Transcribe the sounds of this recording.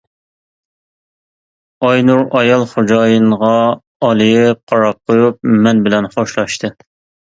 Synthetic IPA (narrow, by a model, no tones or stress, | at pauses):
ɑjnuɾɑjɑlˠχod͡ʒɑːjinʁɑː | lˠɨjɪqʰɑɾɑp̚qʰojup̚mɛnbɪlɛnχoʃlˠɑʃt̪ʰɨ